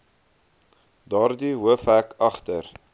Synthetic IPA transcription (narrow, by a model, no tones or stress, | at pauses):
dɑːrdiwəfækɐχtər